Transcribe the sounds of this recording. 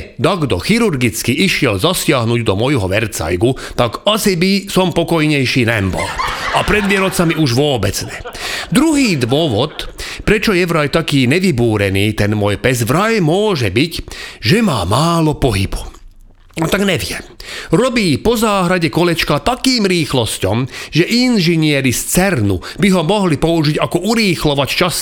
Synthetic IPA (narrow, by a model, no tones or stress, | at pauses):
d̪aɡd̪ɔxiɾuɾɡit͡skiiʃɪɛlzasɪaɦnuɟd̪ɔmɔjɦɔʋɛɾt͡sa̰jɡu | t̪aɡasibisɔmpɔkɔjɲɛjʃiːnɛmbɔ̰lapɾɛd̪ʋɪɛɾɔt͡samiuʒʋʊɔːbɛd͡zt͡sɲɛd̪ɾuɦiːd̪ʋʊɔʋɔt̪pɾɛt͡ʃɔjɛʋɾajt̪akiːɲɛʋibuːɾɛniːt̪ɛnmɔjpɛzʋɾajmʊɔːʒɛbicʒɛmaːmaːlɔpɔɦḭbu | at̪aɡɲɛʋɪɛɾɔbiːpɔzaːɦɾaɟɛkɔlɛt͡ʃkat̪akiːmɾiːxlɔscɔmʒɛʔinʒiɲɪɛɾist͡sɛɾnṵ | biɦɔmɔɦlipɔuʒiɟakɔʔuɾiːxlɔʋact͡ʃas